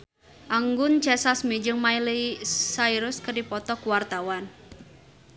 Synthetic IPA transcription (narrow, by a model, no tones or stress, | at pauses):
ʔaŋɡʊnt͡ʃɛsasmid͡ʒəŋmailisaiɾʊskərdipɔt̪ɔkuwart̪awan